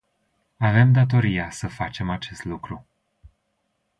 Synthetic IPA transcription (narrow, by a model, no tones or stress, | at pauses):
ave̞md̪at̪o̞ɾijasəfat͡ʃe̞mat͡ʃe̞st̪lukɾu